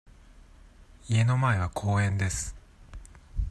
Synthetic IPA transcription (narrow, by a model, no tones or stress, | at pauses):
ie̞no̞mae̞β̞akʰo̞ːẽ̞nd̪e̞sɨ̥